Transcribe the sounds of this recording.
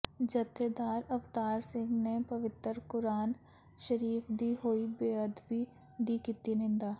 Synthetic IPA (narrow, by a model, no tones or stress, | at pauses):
d͡ʒɐt̪ːed̪aːɾɐft̪aːɾsɪ̃ŋɡnepɐʋɪt̪əɾkʊɾaːn | ʃəɾiːfd̪iɦoːibeːəd̪bʱi | d̪ikit̪inɪ̃nd̪aː